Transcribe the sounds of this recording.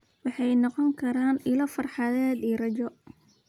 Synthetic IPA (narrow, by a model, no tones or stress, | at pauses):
wɑħɑjnɔqɔŋkʰɐɾaːnɪlɐfɐrħɑðɛːd̪iːrɐt͡ʃɔ